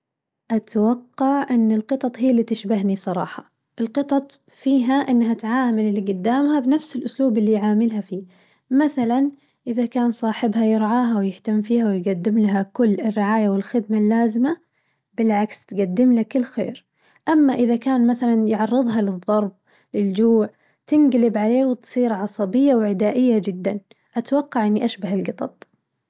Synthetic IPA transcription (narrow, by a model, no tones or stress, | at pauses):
ʔat̪awɑqːɑʕʔɪnːɪlqɨt̪ˤɑt̪ˤhijːlːiːt̪ɪʃbaɦnisˤɑɾˤɑ̰ːħɑ | ʔɪlqɨt̪ˤɑt̪ˤ | fiːɦaʔɪnːɦat̪ʕaːmalɪlːiɡʊd̪ːaːmhabnafsɪlʔʊsluːbɪlːijʕaːmɪlhafiː | maθalan | ʔɪðakaːnsˤɑːħɪbhajɪɾʕaːɦawjɪħt̪amːfiːhawɪjɡad̪ːɪmlaɦakʊlːɪrːɪʕaːjawɪlxɪd̪̚malːaːzɪma | bɪlʕakst̪ɡad̪ːɪmlakɪlːxḛːɾ | ʔamːaʔɪðakaːnmaθalanjʕɑrˤːɨðˤɦɑlɨðˤːɑɾˤb̚ | lɪld͡ʒuːʕ | t̪ɪnɡlɪbʕaleːwɪt̪sˤiːɾʕɑsˤɑbɪjːawʕɪd̪aːʔɪjːad͡ʒɪd̪ːan | ʔat̪wɑqːɑʕʔɪnːiʔaʃbahɪlɡɨt̪ˤɑ̰t̪ˤ